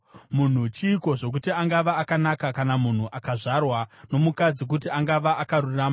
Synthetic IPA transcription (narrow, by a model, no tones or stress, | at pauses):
mun̤ut͡ʃiːko̞ʐo̞k̬utiaŋɡaʋaːkanakakanamun̤uʔakaʐarwano̞mukad͡zik̬utiaŋɡaʋaʔakaruraːma